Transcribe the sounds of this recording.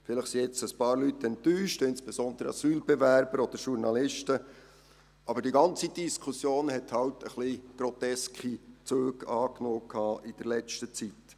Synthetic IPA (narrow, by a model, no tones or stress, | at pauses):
fɪlɪχsiɪt͡səspɑːɾlytɛntːyːʃtɪnsb̥ɛsɔnd̥̪əɾə̰ɑsyːlbɛvæɾb̥əɾɔd̥əɾʃuɾnɑlɪʃtə | ʔɑbəɾdiɡɑnt͡sid̥iskʰusjoːnhɛthɑwtʰəχliɡ̥rɔtɛskʰit͡søːɡɑːknoːkʰɑːʔid̥ɛɾlɛt͡stət͡sit